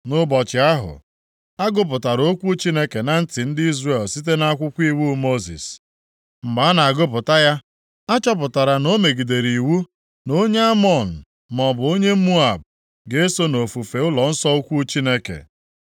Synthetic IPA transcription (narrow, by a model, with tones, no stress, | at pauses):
nʊ˦bɔ˨t͡ʃɪ˨a˦ɦʊ̰˨ | a˦ɡʊ˦p̬ʊ˨ta˨ɾo˦kʷu˦t͡ʃi˦ne˦ke˨na˨n̩˦tɪ˨n̩˦di˦zre˨lsi˦t̬e˦na˦kʷʊ˦kʷi˦wu˦mo˦zḭ˨s | m̩˨ma˨˦na˨a˨ɡʊ˦p̬ʊ˨ta˦ja˦ | a˦t͡ʃɔ˦p̬ʊ˨ta˨ɾa˨no˦me˨ɡi˨de˨ɾi˨wu˦ | no˦ɲe˦a˦mɔ˨n̩˨ | mɔ˨bʊ˨˦o˦ɲe˦mu˦a˨b̚ | ɡe˦e˦so˦no˨fu˨fe˨ʊ˦lɔ˨n̩˦sɔ˦o˦kʷu˦t͡ʃi˦ne˦kḛ˨